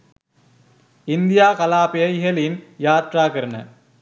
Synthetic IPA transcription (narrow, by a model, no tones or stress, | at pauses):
ind̪ijaːkɐlaːpijɐiɦɐlinjaːt̪raːkɐɾɐnɐ̰